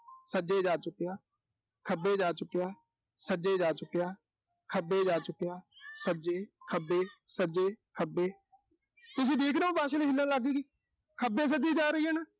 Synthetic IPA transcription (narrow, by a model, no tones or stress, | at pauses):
səd͡ʒeːd͡ʒaːt͡ʃʊkːejaː | kʰəbeːd͡ʒaːt͡ʃʊkːejaː | səd͡ʒeːd͡ʒaːt͡ʃʊkːejaː | kʰəbeːd͡ʒaːt͡ʃʊkːejaːsəd͡ʒeːkʰəbeːsəd͡ʒeːkʰəbeː | t̪ʊs̬ĩːd̪eːkʰɾeːõːbaːʃeːleːɦɪlːãːlaɡeːɡiː | kʰəbẽːs̬əd͡ʒeːd͡ʒaːɾəiːɛːneː